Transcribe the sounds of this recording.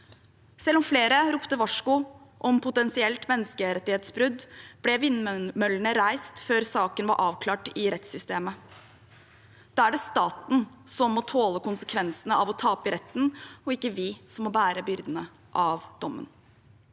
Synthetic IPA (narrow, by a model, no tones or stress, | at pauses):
sɛlːɔmfleːɾəɾʊpt̪əʋɑʂkʊʔɔmpʰʊt̪ɛnsɪɛlt̪mɛnːəskəɾɛt̪ːɪheːt̪sbɾʉd̪b̥lɛʋɪnmœlːəɳəɾæɪst̪føːɾsɑːkənʋɑ̰ɾʔɑːʋkʰlɑːʈɪɾɛt̪sʏst̪eːmə | d̪̥ɑːæɖɛst̪ɑːt̪n̩sɔmːɔt̪ʰoːləkʊnsəkʰʋɛnsənəɑʋɔt̪ʰɑːpɪɾɛt̪ːn̩ɔɪkːəʋɪsɔmːɔbæːɾəbʏɾd̪ənə | ʔɑʋd̪̥ɔmːə̰n